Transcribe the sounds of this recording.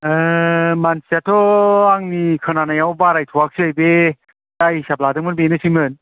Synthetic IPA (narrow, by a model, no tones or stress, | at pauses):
mansiatʰɔaŋnikʰɯnanajawbaɾajtʰɔwak̚sɯajbe | dajsap̚ladɯŋmɯɾbenɯsimɯn